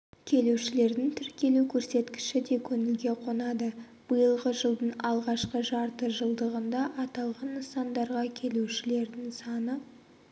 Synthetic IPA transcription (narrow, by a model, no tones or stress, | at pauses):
kʲʰe̞luʃɪle̞ɾd̪ɪŋt̪ʰɪɾkʲe̞lukʲʰɵɾse̞t̪kʲɪ̥ʃɪd̪e̞kʲʰɵŋɪlɡʲe̞qʰo̞nɑd̪ə | b̥əjəlˠʁəʒəlˠd̪əɴɑlˠʁɑʃqəʒɑɾt̪əʒəlˠd̪əʁənd̪ɑʔɑt̪ɑlˠʁɑnːəsɑnd̪ɑɾʁɑkʲʰe̞luʃɪle̞ɾd̪ɪŋsɑnə